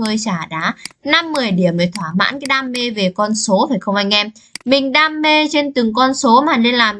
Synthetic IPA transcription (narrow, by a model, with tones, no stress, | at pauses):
əː˧jt͡ɕaː˧˩ɗaː˨˦na˧mːɨ˨˩əjɗi˧˩əməː˨˩jt̪ʰwaː˧˩ma̰ː˧˥nkaː˨˦jɗaː˧mːe˧ve˨˩kɔ˧nso˨˦faː˧˩jxə˧wŋ͡mʔa˧jŋ̟ʔɛ˧mmï˨˩ŋ̟ɗaː˧mːe˧t͡ɕe˧nt̪ɨ˨˩ŋkɔ˧nso˨˦maː˨˩ne˧nlaː˨˩m